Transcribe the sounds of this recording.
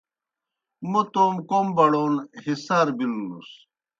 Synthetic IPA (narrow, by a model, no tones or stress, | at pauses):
mut̪oːmkombɐɽoːnhisaːɾbilnṵs